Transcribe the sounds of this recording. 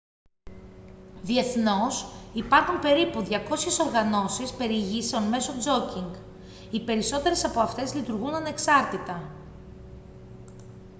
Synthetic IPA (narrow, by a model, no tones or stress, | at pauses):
ðie̞θno̞sipɐɾxumpe̞ɾipuðʝɐko̞sçe̞so̞ɾɣɐno̞sispe̞ɾiʝiseonme̞so̞d͡zo̞ciŋɡ | ipe̞ɾiso̞t̪e̞ɾe̞sɐpo̞ɐft̪e̞zlit̪uɾɣunɐne̞ksɐɾt̪it̪ɐ